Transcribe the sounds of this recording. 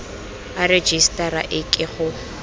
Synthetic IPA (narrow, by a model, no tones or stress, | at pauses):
ared͡ʒistʼaɾa̰ʔɪkʼɪɣʊ